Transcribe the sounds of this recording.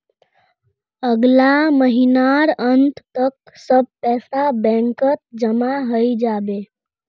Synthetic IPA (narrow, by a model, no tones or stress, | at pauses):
əɡlaməɦinaɾənt̪ʰt̪ək | səb̚pɛsabɛ̃ŋkət̪̚d͡ʒəmaɦəjd͡ʒabe